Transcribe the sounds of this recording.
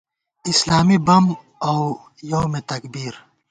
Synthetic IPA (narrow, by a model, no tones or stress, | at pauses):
islaːmibɐm | aw | jowmet̪ɐkbiːɾ